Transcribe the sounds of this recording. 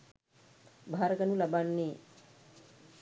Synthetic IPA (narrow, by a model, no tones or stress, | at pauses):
bʱaɾəkɐnulabanːi